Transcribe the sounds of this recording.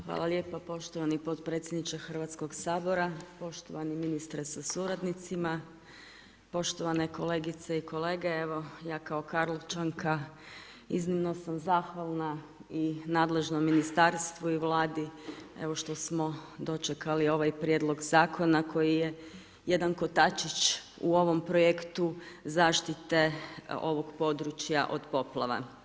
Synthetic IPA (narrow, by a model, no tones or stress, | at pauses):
xʋa̰ːlˠaljepapo̞ʃt̪oʋanipo̞t̪pɾet̪sjed̪nit͡ʃexr̩ʋat̪sko̞ɡsaːbo̞ɾapo̞ʃt̪o̰ʋaniminist̪ɾesasuɾad̪nit̪sima | po̞ʃt̪oʋane̞ko̞leːɡit̪seiko̞le̞ːɡeeʋo̞jaːkao̞kaɾlˠot͡ʃaŋkʰa | iznimno̞samzaːxʋalˠna | inaːd̪le̞ʒnomːinist̪aɾst̪ʋuiʋlˠaːd̪iḛʋo̞ʃt̪o̞smo̞d̪o̞t͡ʃekalio̞ʋajpɾʲje̞d̪lˠo̞ɡzaːkʰo̞nakʰo̞jije | je̞d̪anko̞t̪at͡ʃit͡ʃ | ṵo̞ʋo̞mpɾojekt̪uzaːʃt̪it̪eo̞ʋo̞ɡpo̞d̪ɾut͡ʃja̰ʔo̞̰d̪po̞plˠaʋa̰